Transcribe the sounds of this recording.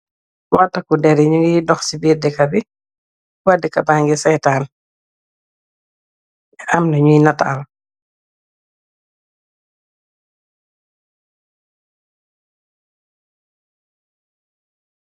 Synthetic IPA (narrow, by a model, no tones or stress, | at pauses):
watːakudɛɾiɲuŋɡidɔxsibiːdɛkabi | wadikɐbaŋɡisɛjtaːn | amnaɲujnataal